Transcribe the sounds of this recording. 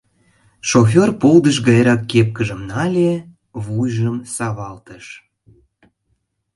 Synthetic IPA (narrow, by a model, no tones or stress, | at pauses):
ʃof̬ʲorpold̪əʃ̬ɡɑjɾɑkːep̚kəʒəmnɑlʲe | βujʒəmsɑβɑlt̪əʃ